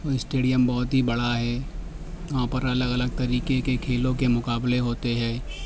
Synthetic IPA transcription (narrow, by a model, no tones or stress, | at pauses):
oɪsʈeːɖijəmbɔːʊt̪ɦibɐɽaɦɛː | ʋãːpɐɾɐləɡɐləɡ̚t̪ɐɾiːkekekʰeːlõkemʊkaːbleɦoːt̪eɦɛ̃ː